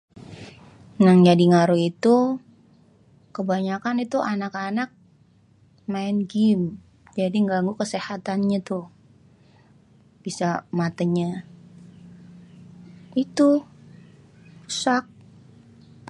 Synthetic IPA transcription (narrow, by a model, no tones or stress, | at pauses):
naŋd͡ʒadiŋaɾuit̪u | kəbaɲakanit̪uʔanakanak̚ | maɪnɡɪm | d͡ʒadiŋɡaŋɡukəsehat̪anɲat̪ʊ | b̥isamat̪əɲa | it̪u | u̥sak̚